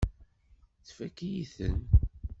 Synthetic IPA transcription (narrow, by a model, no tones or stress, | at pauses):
θfækːijiθən